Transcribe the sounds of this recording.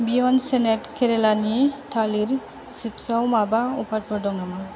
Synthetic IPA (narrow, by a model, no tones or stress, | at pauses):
bijɔnsɛnɛtkʰɛɾɛlanitʰaliɹ | sipsawmabaupʰat̚pɔdɔŋnama